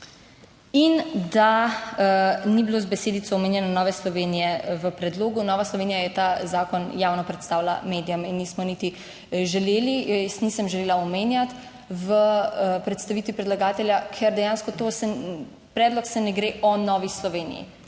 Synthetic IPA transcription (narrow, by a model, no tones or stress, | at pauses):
ind̪a | nibiloːzbɛseːd̪it̪sɔɔmeːnjɛnɔnɔːʋɛslɔʋeːnijɛʋəpɾɛd̪loːɡunɔːʋaslɔʋeːnijajɛt̪azaːkɔnjaːwnɔpɾɛt̪st̪aːwla̰meːd̪ijaminːismɔnit̪i | ʒɛleːlijsnisəmʒɛleːlaɔmeːnjat̪ | ʋəəpɾɛt̪st̪aʋiːt̪ʋipɾɛd̪laɡaːt̪ɛlʲjakʰɛɾd̪ɛjaːnskɔt̪osɛ | pɾɛːd̪lɔksɛnɛɡɾeːʔɔnɔʋislɔʋeːnḭjḭ